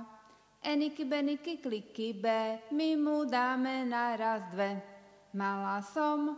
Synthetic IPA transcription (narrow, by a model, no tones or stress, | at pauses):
ʔɛnikibɛnikiklikːibɛmimud̪aːmɛnaɾazd̪ʋɛ | malasɔm